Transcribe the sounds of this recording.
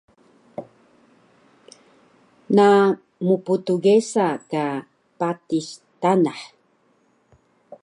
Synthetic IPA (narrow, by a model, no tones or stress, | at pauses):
na | muputuɡesaka | patistanaħ